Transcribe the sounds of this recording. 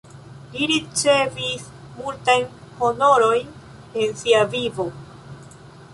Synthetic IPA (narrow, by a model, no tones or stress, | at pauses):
liɾit͡se̞vis | multajn | ho̞no̞ɾo̞jn | e̞nsiavivo̞